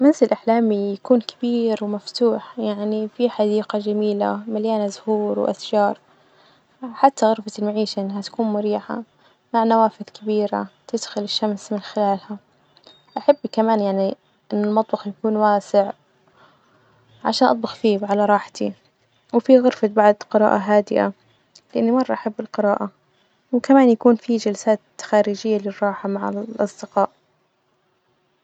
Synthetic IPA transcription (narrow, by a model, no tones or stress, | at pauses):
mɪnzɪlʔaħlaːmijakuːnkʰḁbiːɾwmaft̪uːħjaʕnifiħad̪iːqad͡ʒamiːla̰maljaːnazʊhuːɾw̰ʔa̰θd͡ʒɑːɾˤ | ħat̪ːaɣʊɾfaɪlmaʕiːʃaʔɪnːɦat̪ḁkuːnmʊɾiːħa̰ | maʕnawaːfɪðkɪbiːɾa̰t̪ɪd̪xʊlɪʃːamsmɪnxɪlaːlha | ʔaħabːkamaːnjaʕni | ʔɪnːɪlmɑt̪ˤbɑxjakuːnwaːsɪʕ | ʕa̰ʃaːnʔɑt̪ˤbʊxfiːbʕalaɾˤɑːħt̪i | wfiɣʊɾfat̪̚baʕd̪qɨɾɑ̰ːʔaɦaːd̪ɪʔa̰ | lɪʔanːimɑrˤːɑʔaħabːɪlqɨɾɑːʔa | wkamaːnjakuːnfid͡ʒalsaːt̪xaːɾid͡ʒɪjːalɪrˤːɑːħamaʕa̰lʔɑ̰sˤd̪ɪqɑːʔ